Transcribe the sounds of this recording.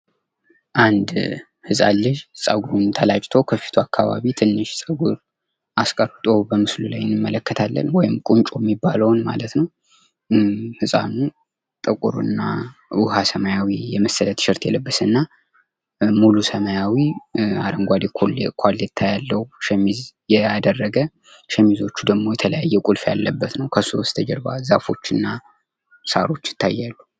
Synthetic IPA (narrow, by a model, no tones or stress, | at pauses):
ʔand̪ | hɨsʼa̰lːɨʃsʼəɡuɾunt̪ʰəlat͡ʃʼt̪ʰo̞kʰəfi̥t̪ʰuakːaβa̰βit̪ʰɨnːɨʃsʼəɡuɾ | ʔaskʼəɾt̪ʼo̞bəmɨslulajɪnːɨmːələkːət̪ʰalːə̰nwɔjɪmkʼunt͡ʃʼojɛmːibːaləwnma̰lət̪nəw | hɨsʼa̰nu | t̪ʼəkʼṵɾṵɨnːawʊhasəmajawijɛməsːələt̪ʃɪɾt̪jɛləbːəsɨnːa | mulusəmajawiaɾəŋɡʷad̪ikʰlkʷʰalːɛt̪ʰːajalːəhuʃɛmizjɛad̪ərːəɡə | ʃɛmːizo̞t͡ʃːud̪əɡmo̞jɛt̪ʰələjajːɛkʼulfja̰lːəbːət̪nəwkʰəsust̪ʰəd͡ʒɛɾba̰zafo̞t͡ʃːɨnːa | saɾo̞t͡ʃːjɪ̥t̪ʰːajːalːu